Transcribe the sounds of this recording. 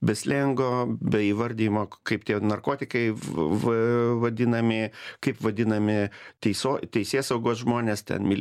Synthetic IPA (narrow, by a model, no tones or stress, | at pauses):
bʲɛsʲlʲɛŋɡoːbʲɛiːʋɐɾʲd̪ʲiːjmoːkɐɪpt̪ʲiɛnɐrkoːt̪ʲɪkɐɪʋɐʋɐd̪ʲɪnɐmʲɪkɐɪpʋɐd̪ʲɪnɐmʲɪt̪ʲɛɪsoːt̪ʲɛɪsʲeːsɐʊɡoːsʒmoːnʲeːst̪ʲɛ̰nmʲɪlʲ